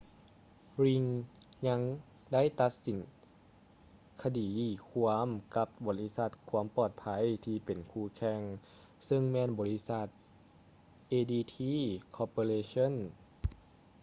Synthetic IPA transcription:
ɾi˧ŋɲa˧˥ŋ | da˥˨jt̪a˧˥t̪̚si˨˦n | kʰa˧diː˨˩kʰu˧əmka˧˥p̚bɔː˨˩li˦˧˥sa˧˥t̪̚kʰuː˧˥əmpɔː˧˩t̪̚pʰa˧˥˨jt̪ʰiː˧pe˨˩nkʰuː˧˩kʰɛ˧˥ŋ | sɯ˧ŋmɛː˧˥˨nbɔː˨˩li˦˥sa˧˩t̪̚ | ʔeː˧diː˧t̪ʰiː˧˥kʰɔː˧poː˧leː˧so˧˥˨n

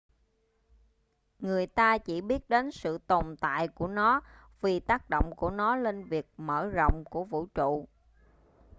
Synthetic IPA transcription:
ŋɨ˨˩əjt̪aː˧t͡ɕi˧˩ɓi˦˥ət̚ɗe˨˦nsɨ̰˧˨t̪o˨˩mt̪a̰ː˧˨jku˧˩ənɔ˨˦ | vi˨˩t̪aː˦˥k̚ɗo̰˧˨wŋ͡mku˧˩ənɔ˨˦le˧nvi˨˩ək̚məː˧˩zo̰˧˨wŋ͡mku˧˩əvṵ˧˥t͡ɕṵ˧˨

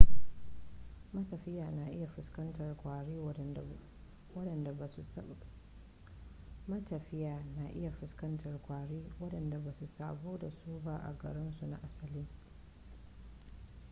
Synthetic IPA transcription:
mɐ˦tɐ˨ɸɪ˦jaː˨na˨ʔɪ˦ja˨ɸɪ˨skɐ˦ntɐ˨rkʷaː˨ɽeː˦ | wɐ˦ɗɐ˨nda˨a˨s | mɐ˦tɐ˨ɸɪ˦jaː˨na˨ʔɪ˦ja˨ɸɪ˨skɐ˦ntɐ˨rkʷaː˨ɽeː˦wɐ˦ɗɐ˨nda˨baː˨su˨saː˨boː˦da˨suː˦ba˦ʔa̰˨ɡɐ̰˨ɽɪ˦nsu˨na̰˨ʔa˦sɐ˨liː˦

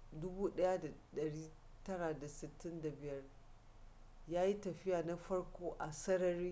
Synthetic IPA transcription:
dʊ˦buː˦ɗɐ˦ja˦da˨ɗɐ˨ɽiː˦ | tɐ˦ɽa˨da˨sɪ˨tːɪ˦nda˨bɪ˨jɐ˦r | jaː˦ji˦tɐ˨ɸɪ˦jaː˨na˦ɸɐ˦ɽkʷoː˦ʔa˨sɐ˦ɽɐ˦ɾiː˦

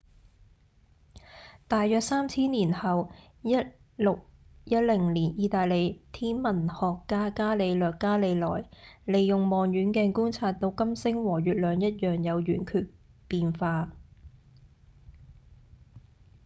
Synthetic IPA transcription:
t̪aː˨jːœː˧k̚saː˥mt͡sʰiː˥nliː˨˩nhɐ˨w | jɐ˥t̚ | lʊ˨k̚jɐ˥t̚lɪ˨˩ŋliː˨˩njiː˨˧t̪aː˨jle˨˧jt̪ʰiː˥nmɐ˨˩nhɔː˨kːaː˥kaː˥le˨˧jlœː˨kːaː˥le˨˧jlɔː˨˩jle˨jːʊ˨ŋmɔː˨ŋjyː˨˥nkɛː˧nkuː˥nt͡sʰaː˧t̚t̪ːo˧wkɐ˥msɪ˥ŋwɔː˨˩ɥyː˨t̚lœː˨ŋjɐ˥t̚jœː˨˩ŋjɐ˨˧wjyː˨˩nkʰyː˧t̚ | piː˨˧nfaː˧

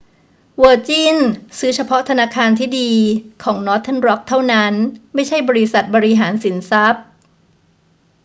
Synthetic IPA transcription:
wɤː˧t͡ɕiː˥˩nsɯː˦˥t͡ɕʰa˧pʰɔ˦˥t̪ʰa˧naː˧kʰaː˧nt̪ʰiː˥˩diː˧kʰɔː˩˦ŋnɔː˦˥t̪ʰːe˥˩nɾɔ˦˥k̚t̪ʰːa˥˩wna˦˥nma˥˩jt͡ɕʰa˥˩jbɔː˧ɾi˦˥sa˨˩t̪̚bɔː˧ɾi˦˥ɦaː˩˦nsi˩˦nsa˦˥p̚

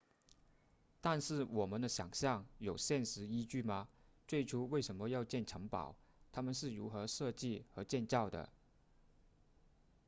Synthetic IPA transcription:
t̪a˥˧nʂɻ̩˥˩wɔ˨˩mə˦nd̪ə˧ɕjɑ˨˩ŋɕjɑ˥˩ŋjo˨˩ʊɕjɛ˥˩nʂɻ̩˧˥i˥t͡ɕy˥˩mɐ˩t͡swe˥˩ɪʈ͡ʂʰu˥we˥˩ɪʂə˧˥nmə˧jɑ˥˧ʊt͡ɕjɛ˥˩nʈ͡ʂʰɤ˧˥ŋpɑ̰˨˩˦ʊ | t̪ʰa˥mə˨nʂɻ̩˥˩ɻṵ˧˥xɤ˧˥ʂɤ˥˧t͡ɕi˥˩xɤ˧˥t͡ɕjɛ˥˧nt͡sɑ˥˩ʊd̪ə̰˩

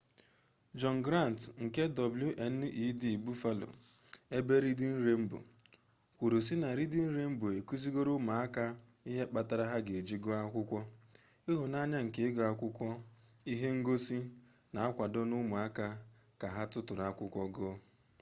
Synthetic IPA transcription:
d͡ʒɔ˨n˨ɡɾa˦˨n˨tŋ̩˨ke˦dɔ˨blju˦ʔe˨n˦i˦di˨bu˦fa˦lo̰˨e˦be˦ɾi˦dɪ˦n̩˦ɾe˦m̩˦bo̰˨ | kʷu˨ɾo˨s̬i˦na˨ɾi˦dɪ˦n̩˦ɾe˦m̩˦bo˨e˨ku˦zi˦ɡo˦ɾʊ˦mu˨a˦ka˦i˦ɦe˦k͡pa˨ta˨ɾa˦ɦa˦ɡe˨e˨d͡ʒi˦ɡɔ˦a˦kʷʊ˦kʷɔ˦ | i˦ɦʊ˨na˦ɲa˦ŋ̩˨ke˨˦ɡɔ˨a˦kʷʊ˦kʷɔ˦i˦ɦe˦ŋ̩˦ɡo˦si˦ | na˨a˦kʷa˨dɔ˦nʊ˦mu˨a˦ka˦ | ka˨ɦa˦tʊ˦tʊ˨ɾa˦kʷʊ˦kʷɔ˦ɡɔ˦

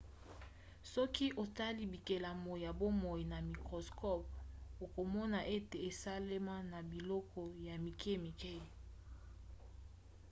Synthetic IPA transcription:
sɔ˦ki˦ʔo˨ta˦li˦bi˨ke˨la˨mo˨jja˨bo˦mɔ˨i˨na˨mi˨kʁo˨skɔ˦po˨ko˨mɔ˦na˨ʔe˦te˨e˨sa˦le˦ma˦na˨bi˨lɔ˦kɔ˨ja˨mi˨kʰe˦˨mi˨kɛ˦˨

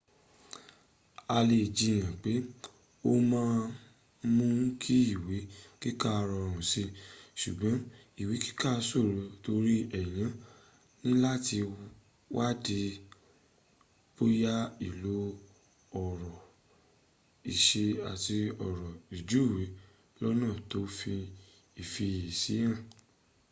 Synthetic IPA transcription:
a˧le˧˨d͡ʒi˧˨j̃ã˨k͡pe˨˦ | o˦mãː˦ | mũ˦n̩˦kʰi˦i˦˨we˨˦ki˦ka˦˧ɾɔ˧˨ũ˨si˧ʃu˨ɡ͡bɔ̃˨˦ | i˨we˨˦ki̥˦ka˦˧so˦˨ɾo˨to˧ɾi˦ɛ˨j̃ã˨˧ | nĩ˦la˦ti˧ | wa˦˨di˧ | bo˦ja˦i˦˨lo˨˦ | ɔ˨ɾɔ˨ | i˨ʃe˧a˨ti˧ɔ˨ɾɔ˨i˨d͡ʒu˨˦i˦˨we˨˦ | lɔ˦nãː˦˨to˨˦fi˧ | i˨fi˧i˨si˨˦jã˦˨

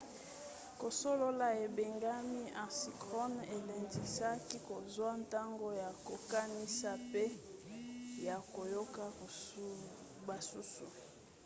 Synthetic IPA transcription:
ko˨so˦lo˦la˦e˨be˨ŋɡa˦mi˦ã˨si˨kʁo˦ne˨le˨ndi˨sa˦ki˦ko˨zwa˦nta˦ŋɡo˦ja˨ko˨ka˦ni˦sa˦pe˦ | ja˨ko˨jo˦ka˦˨ | ba˨su˦sṵ˨

